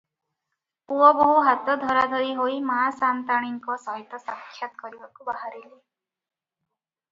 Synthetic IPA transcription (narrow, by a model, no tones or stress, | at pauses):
puɔbɔɦuɦat̪ɔd̪ʱɔɾad̪ʱɔiɦojmaɦasant̪aɽ̃iŋkɔsɔɦit̪ɔsakʰːjat̪ɔ̥kɔɾibakubaɦaɾili